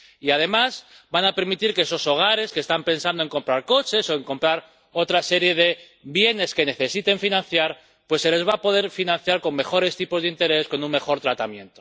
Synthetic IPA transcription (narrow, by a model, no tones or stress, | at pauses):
iað̞e̞maz | banape̞ɾmit̪iɾkeeso̞so̞ɣ̞aɾe̞skest̪ampe̞nsand̪oe̞ŋko̞mpɾaɾko̞t͡ʃe̞so̞e̞ŋko̞mpɾaɾ | o̞t̪ɾase̞ɾje̞ð̞e̞ | βje̞ne̞ske̞ne̞θe̞sit̪e̞ɱfinãnθjaɾ | pwe̞sːe̞le̞zβapo̞ð̞e̞ɾfinãn̟θjaɾko̞ŋme̞xo̞ɾe̞st̪ipo̞zðint̪e̞ɾe̞sko̞nuŋme̞xo̞ɾt̪ɾat̪amjẽ̞̰nt̪o̞